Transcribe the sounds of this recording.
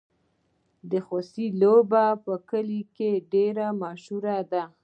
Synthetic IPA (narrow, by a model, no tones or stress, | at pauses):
d̪əxosilobapəkəlikeɖeɾamɑʃuɾad̪a